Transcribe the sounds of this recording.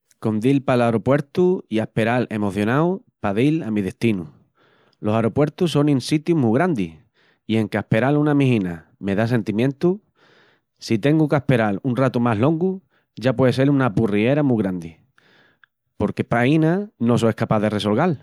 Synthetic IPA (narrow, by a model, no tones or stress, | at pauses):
ko̞nd̪ilpalaɾo̞pwe̞ɾt̪uiahpe̞ɾale̞mo̞θjo̞naw | paðilamiðe̞ht̪inu | lo̞saɾo̞pwe̞ɾt̪uso̞nĩnsit̪jumuɣ̞ɾand̪i | ie̞ŋkahpe̞ɾalunamiɦina | me̞ðas̬e̞nt̪imjẽnt̪u | sit̪e̞ŋɡukahpe̞ɾalunrat̪umaɦlõ̞ŋɡu | ʝapwe̞ðese̞lunapurie̞ɾamuɣɾand̪i | po̞ɾke̞painano̞soehkapaðe̞re̞so̞lɣal